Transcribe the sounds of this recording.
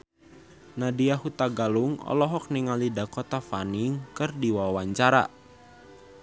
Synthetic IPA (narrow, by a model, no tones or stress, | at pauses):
nadiahut̪aɡalʊŋɔ̰lɔɦɔk̚niŋalidakot̪afanɪŋkərdiwaawaɲt͡ʃaɾa̰ʔ